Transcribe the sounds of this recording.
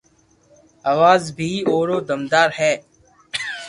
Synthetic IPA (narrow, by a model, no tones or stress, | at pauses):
aːʋaːzbʱiːoːɾoːd̪əmd̪aːɾhɛː